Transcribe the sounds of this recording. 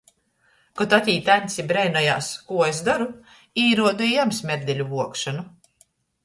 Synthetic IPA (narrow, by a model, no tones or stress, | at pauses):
kɔt̪at̪ʲiːt̪ænʲt̪sʲibɾɛjnɔja̰ːskuɔes̬d̪aɾu | iːɾuɔd̪uijamsmʲɛɾd̪ʲɛlʲuvuɔkʃanu